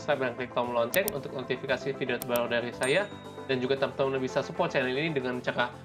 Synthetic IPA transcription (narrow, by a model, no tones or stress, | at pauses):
skɾap̚ɾaŋklik̚t̪amlɔɲt͡ʃɛnunt̪ʊk̚not̪ifikasifidiot̪əbaladaɾisaja | dand͡ʒuɡat̪am̚t̪anabisasupɔr̚t͡ʃɛnɛlinidəŋant͡ʃaka